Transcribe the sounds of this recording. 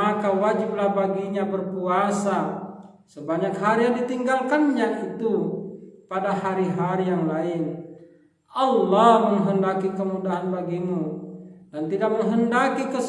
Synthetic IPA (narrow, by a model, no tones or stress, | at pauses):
akawad͡ʒib̚lahbaɡiɲabərkuasa | səbaɲakɦaɾijaŋdit̪iŋɡalkanɲaʔit̪u | padahaɾiɦaɾijaŋlaɪn | ʔɑlːɔhməŋɦəndakikəmudaɦanbaɡimudant̪idak̚məŋɦəndakikəs